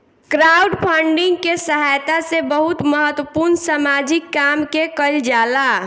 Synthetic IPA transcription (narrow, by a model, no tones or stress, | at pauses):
kɾauɖpʰaɳɖɪ̃ŋɡkesəɦajt̪asebəɦut̪məɦət̪wəpuɾnsamad͡ʒikːamkekəld͡ʒala